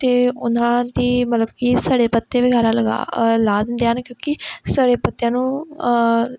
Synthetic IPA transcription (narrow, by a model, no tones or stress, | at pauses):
t̪eːʊnãːd̪iːmət̪ləbkisaːɽeːpət̪ːeːʋɪɡaːɾaːləɡa̰ːlaːd̪ənd̪ejaːɦnkjõːkɪsaːɽeːpət̪ːjãːnũː